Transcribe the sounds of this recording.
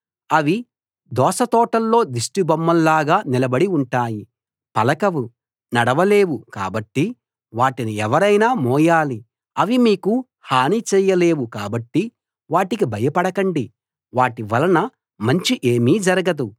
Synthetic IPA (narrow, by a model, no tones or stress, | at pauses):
ɐʋi | d̪ɔːʃɐt̪ɔːʈɐlːo̞ːd̪iʂʈibɐmːɐlːaːɡaːnilɐbɐɽiuɳʈaːji | pɐlɐkɐʋu | nɐɽɐʋɐle̞ːwuka̰ːbɐʈːi | ʋaːʈiniɛʋɐɾɐjnaːmɔːjaːli | ɐʋimiːku | haːnit͡ʃɛːjɐle̞ːwukaːbɐʈːi | ʋaːʈikibʱɐjɐpɐɽɐkɐɳɖi | ʋaːʈiʋɐlɐnɐ | mɐɲt͡ʃiʔe̞ːmiːd͡ʒɐɾɐɡɐd̪u